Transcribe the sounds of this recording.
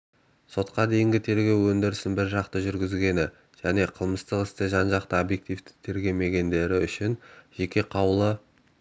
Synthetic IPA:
so̞t̪qɑd̪e̞jɪŋɡʲɪt̪ʰe̞ɾɡʲe̞wːɵnd̪ɪɾɪsɪnbɪɾʒɑqt̪əʒʏɾɡʲɪzɡʲe̞nɪ | ʒ̥æne̞qʰəlˠməst̪əqɪst̪ɪʒɑnʒɑqt̪əobje̞k̚t̪ijft̪ɪ̥t̪ʰe̞ɾɡʲe̞wme̞ɡʲe̞nd̪e̞ɾɪʏʃɪnʒ̥e̞kʲe̞qʰɑwlˠə

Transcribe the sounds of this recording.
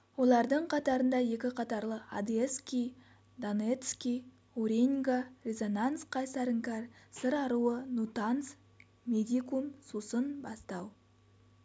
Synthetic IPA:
wo̞lˠɑɾd̪əɴqʰɑt̪ɑɾənd̪ɑje̞kʲɪqʰɑt̪ɑɾlˠəad̪eskʲij | d̪onet̪skʲij | uɾʲiŋɡarʲe̞zo̞nansqʰɑjsɑɾəŋkarsəɾɑɾuənut̪ans | mʲe̞d̪ʲikumsusənbɑst̪ɑw

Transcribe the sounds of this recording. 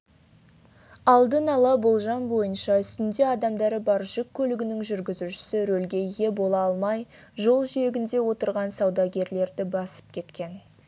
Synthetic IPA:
ɑlˠd̪ənɑlˠɑbolˠʒɑnbo̞jənʃɑʏst̪ɪnd̪e̞ɑd̪ɑmd̪ɑɾəbɑɾʒʏkʲʰːɵlɪɡʲɪnɪŋʒʏɾɡʲɪzuʃɪ̥sɪɾɵlɡʲe̞jɣe̞bo̞lˠɑɑlˠmɑj | ʒo̞lˠʒʏje̞ɡʲɪnd̪e̞wo̞t̪əɾʁɑnsɑwd̪ɑɡʲe̞ɾle̞ɾd̪ɪbɑsə̥p̚kʲʰe̞t̪kʲe̞n

